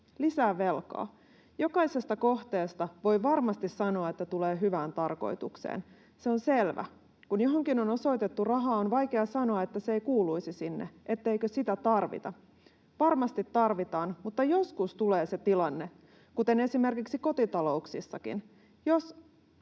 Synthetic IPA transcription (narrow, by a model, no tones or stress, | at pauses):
lisæːʋe̞lkɑ̰ː | jo̞kɑjsest̪ɑko̞ht̪e̞ːst̪ɑʋo̞jʋɑrmɑst̪issɑno̞ɑet̪ːæt̪uleːɦyʋæːnt̪ɑrko̞̰jt̪ṵksḛːn | seonselʋæ̰ | kunjoɦoŋkinono̞so̞ijt̪e̞t̪ːurɑɦɑːonʋɑjkeɑsɑno̞ɑet̪ːæseeijkuːluisisinːḛʔet̪ːeikøsit̪æt̪ɑrʋḭt̪ɑ | ʋɑrmɑst̪it̪ːɑrʋit̪ɑːnmut̪ːɑjo̞skust̪uleːset̪ilɑnːe | kut̪e̞ne̞sime̞rkiksiko̞t̪it̪ɑlo̞uksisːɑkḭn | jos